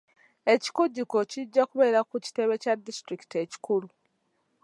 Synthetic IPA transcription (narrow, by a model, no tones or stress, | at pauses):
e̞ci̥koɟːiko̞ciɟːakuβe̞ːɾakuci̥te̞βe̞cadːistɾiki̥teci̥kulu